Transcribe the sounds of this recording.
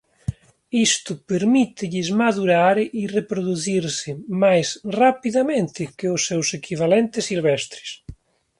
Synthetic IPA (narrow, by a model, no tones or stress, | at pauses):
ist̪ʊpeɾmit̪ɪʎɪzmaðuɾaɾirepɾoðuθiɾsɪmajsrapiðamẽnt̪ɪkɪʊsːɛwsekʰiβalɛnt̪ɪsːilβɛst̪ɾɪ̥s